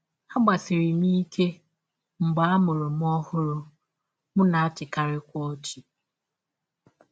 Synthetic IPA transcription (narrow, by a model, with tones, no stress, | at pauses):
ha˦ɡ͡ba˨sɪ˨ɾi˨m˦i˦kʰe˦ | ŋ͡m̩˨ɡ͡ba˨˦a˦mʊ˨ɾʊ˨m˦ɔ˦hʊ˦ɾʊ˦ | mʊ˦na˨a˦t͡ʃɪ˨ka˦ɾɪ˦kʷɔ˦o˦t͡ʃi˨